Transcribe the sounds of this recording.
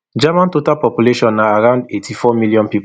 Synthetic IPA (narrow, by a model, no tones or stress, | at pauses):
d͡ʒamãntotalpɔpjuleʃɔ̃naaɹãʊ̃ndetʰifɔmiljɔ̃npip